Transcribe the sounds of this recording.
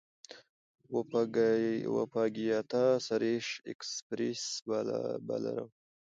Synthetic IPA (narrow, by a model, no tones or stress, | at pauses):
w | wa̰pɑɡijɑt̪asaɾeʂekspɾesbaba̰la̰ɾa̰w